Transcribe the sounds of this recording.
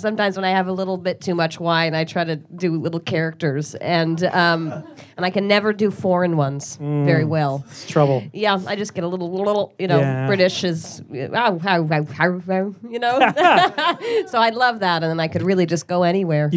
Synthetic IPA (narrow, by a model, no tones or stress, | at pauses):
sʌ̃mtãɪ̃mzwə̃ñaɪɨvəlɪɾl̩ˠbɪtʰʉmʌt͡ʃwaɪɨ̃naɪtʰɹ̥aɪɾɨdɨlɪɾl̩ˠkʰɛɹɨk̚tə˞zɨ̃nʌ̃m | ə̃ñaɪkɨ̃nːɛvə˞dɨfɔɹɨ̃nwʌ̃nz̥vɛɹiwɛlˠtʰɹ̥ʌbl̩ˠjæa̰ɪd͡ʒʌsɡ̥ɛɾəlɪɾl̩ˠlɪɾl̩ˠjɨñoʊb̥ɹɪɾɨʃɨz̥ | oʊɦaʊahaʊaʊjɨnoʊ | soʊaɪlʌvðæɾɨ̃nðə̃naɪkɨd̚ɹɪlˠid͡ʒʌsɡ̥oʊɛñiwɛɹ